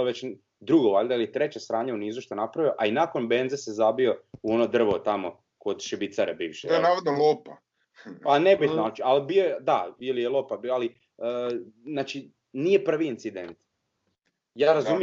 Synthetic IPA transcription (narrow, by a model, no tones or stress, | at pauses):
ʋet͡ɕ | d̪ɾuɡoʋalʲd̪ailiet̪ɾe̞t͡ɕasɾaːɲeuniːzuʃt̪onapɾaʋio̞ʔainako̞nbend̪zesezabio̞uo̞nod̪r̩ʋot̪amo̞̰ | ko̞d̪ʃebit̪saɾebiʋʃeonaːʋod̪nolopa | panebit̪nonat͡ʃialbijojed̪ailijelˠo̞pabioali | əːznaːt͡ʃi | niːje̞pr̩ʋiːnt̪sid̪e̞nt̪ | jaːɾazum